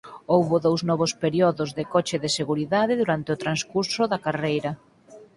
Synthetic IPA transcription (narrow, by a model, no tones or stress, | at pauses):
owβoðowznɔβ̞ospeɾiɔðʊzðekɔt͡ʃɪðɪseɣuɾiðaðɪðuɾant̪ɪʊt̪ɾanskuɾsʊðakarejɾɐ